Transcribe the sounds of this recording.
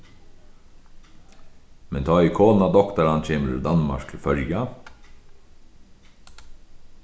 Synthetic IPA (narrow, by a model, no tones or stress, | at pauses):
mɛnt̪ʰɑːikʰoːnɑd̪ɔkt̪əɾɑnt͡ʃʰeːməɾʉʉd̪ɑnmɑ̰ɾk̚t̪ʰɪlfœljɑ